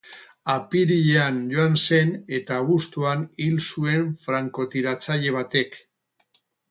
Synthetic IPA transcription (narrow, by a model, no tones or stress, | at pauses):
apiɾiʎeanʝo̞anse̞ne̞t̪aːβust̪uanilsue̞ɱfɾaŋko̞t̪iɾat͡saʎe̞β̞at̪e̞k